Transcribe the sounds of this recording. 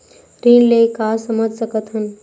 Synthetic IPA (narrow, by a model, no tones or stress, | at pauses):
ɾiːnlekaːsəməd͡ʒʱsəkət̪ɦən̆